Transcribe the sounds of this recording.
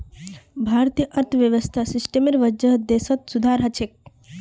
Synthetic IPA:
bʱaːɾt̪ijəʔɐɾt̪ʰʋjɐʋəst̪ʰasisʈemiɾʋɐd͡ʒəɦd̪esət̪sud̪ʱaːɾɦɐt͡ʃʰek̚

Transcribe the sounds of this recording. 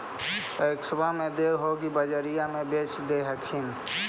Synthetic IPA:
əksəbamẽd̪eːɦoɡibəd͡ʒəɾijamẽbeːt͡ʃd̪eɦəkʰɪn

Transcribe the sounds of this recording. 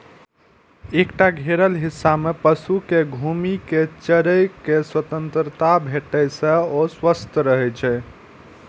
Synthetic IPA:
ekʈaɡʱeɾəlɦisːamepəsukeɡʱumiket͡ʃəɾəjkeswət̪ənt̪ɾət̪abʱeʈəjsə̃oswəst̪ʰɾəɦɛt͡ʃʰɛ

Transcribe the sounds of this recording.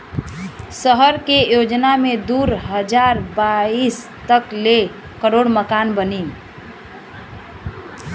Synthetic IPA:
səɦəɾkejod͡ʒnamed̪uɾɦəd͡ʒaɾbais | t̪əkle | kəɾoɽməkanbənim

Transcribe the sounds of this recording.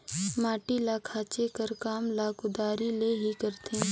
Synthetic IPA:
maːʈilakʰaːt͡ʃekəɾkaːmlaːkʊd̪aːɾileɦikəɾt̪ẽ

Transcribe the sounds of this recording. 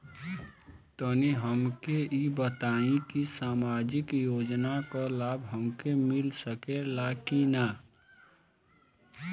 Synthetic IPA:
t̪əniɦəmkeibət̪aːĩkisaːmaːd͡ʒɪkjoːd͡ʒnakolaːbʱɦəmkemɪlsəkelakina

